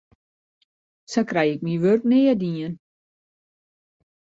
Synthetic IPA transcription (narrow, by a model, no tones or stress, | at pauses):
sakrɛjɪk̚miʋørk̚neːədiən